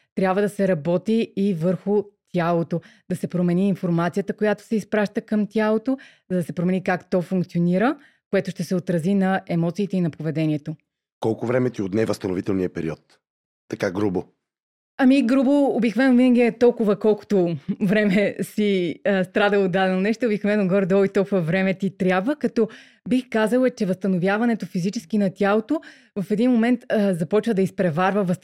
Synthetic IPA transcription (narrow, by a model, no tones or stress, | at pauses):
t̪ɾʲjabvəd̪ɐsɛɾɐbɔt̪iːvəɾxʊt̪ʲjalˠot̪od̪̥ɐsɛpɾomɛniːnfoɾmat̪sijət̪əkojat̪o̥sɛispɾaʃt̪əkəmt̪ʲjalˠot̪ozɐd̪ɐsɛpɾomɛnikakt̪ɔfuŋk̚t̪sʲioniɾə | koɛt̪ʊʃt̪ɛsɛot̪ɾɐzinɐɛmɔt̪siːt̪ɛinɐpovɛd̪ɛnʲiɛt̪o | kɔlˠkʊvɾɛmɛt̪iot̪nɛvəst̪ɐnovit̪ɛlˠniəpɛɾḭɔt̪ː | ɐkaɡɾubo | ɐmiɡɾuboːbik̪vɛnovinəɡʲiɛt̪ɔlˠkʊvəkɔlˠkʊ̥t̪ovɾɛmɛsiəst̪ɾad̪əod̪ːad̪ɛnonɛʃt̪obiknvɛnoɡvɔɾɛd̪ɔit̪ɔlˠkʊvɐvɾɛmɛt̪ʲit̪ɾʲjabvəkɐt̪ɔ | bixkazəlˠət͡ʃɛvəst̪ɐnovʲjavɐnɛt̪ofizit͡ʃɛ̥sk̟inɐt̪ʲalˠot̪o | vɐfɛd̪inmomɛnt̪zɐpɔt͡ʃvəd̪ɐispɾɛvaɾvəvəs